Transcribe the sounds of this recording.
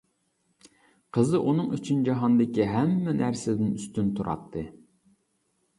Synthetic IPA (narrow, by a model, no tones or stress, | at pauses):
qʰəzɨʔunɨŋyt͡ʃʰynd͡ʒɑɦɑnd̪ɪkʲiɦɛmːɛnʔæɾsɪd̪ɪnyst̪ynt̪ʰuɾɑ̰t̪ʰːɨ